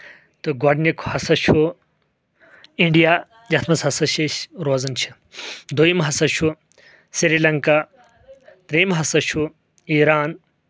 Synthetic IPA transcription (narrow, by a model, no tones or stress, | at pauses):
t̪ɨɡɐɖnikʰhɐsɐt͡ʃʰu | iɳɖijaː | d͡ʒɐt̪ʰmɐsɦɐsɐʃeʃɾoːzɐnt͡ʃʰi̥ | d̪ojimɦɐsɐʃʰu | siɾilɐŋka | t̪ɾijmɦɐsɐʃʰu | iːɾaːn